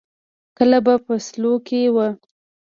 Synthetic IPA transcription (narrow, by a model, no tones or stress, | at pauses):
kəlabapəslokewə